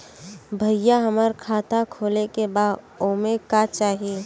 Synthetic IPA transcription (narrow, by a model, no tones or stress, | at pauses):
bʱəjaɦəməɾkʰaːt̪ʰakʰoːlekebaːd̪ | oːmẽkat͡ʃaːɦie